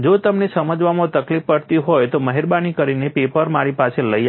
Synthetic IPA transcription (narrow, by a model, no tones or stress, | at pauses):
d͡ʒot̪əmnesəməd͡ʒʋamãt̪əklifːəɽt̪iɦojt̪oməɦiɾbanikəɾinepepəɾmaɾipaseləja